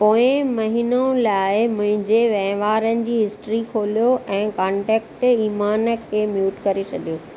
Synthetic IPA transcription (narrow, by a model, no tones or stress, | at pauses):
poːɪ̃mɐɦiːnõlaːɪmʊ̃ɦɪ̃ɲd͡ʑeʋɐ̃ɦɪ̃ʋaːɾənɪ̆d͡ʑiːɦɪsʈɾikʰoːlijoʔɛ̃ːkãːɳʈɛːk̚ʈiːmaːnə̆kʰeːmjuːʈkɐɾet͡ɕʰɐɗijoː